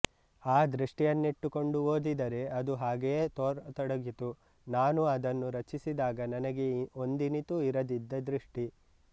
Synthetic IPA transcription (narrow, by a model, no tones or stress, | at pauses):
aːd̪ɾiʂʈijɐnːiʈːuko̞ɳɖuo̞ːd̪id̪ɐɾe̞ɐd̪uɦaːɡejeːt̪ɔːɾt̪ɔɽɐɡit̪u | naːnuɐd̪ɐnːuɾɐt͡ʃisid̪aːɡɐnɐnɐɡe̞o̞nd̪init̪uiɾɐd̪id̪ːɐd̪ɾiʂʈi